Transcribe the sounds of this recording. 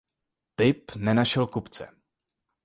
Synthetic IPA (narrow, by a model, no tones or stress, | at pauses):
t̪ɪpnɛnaʃɛlkupt͡sɛ̰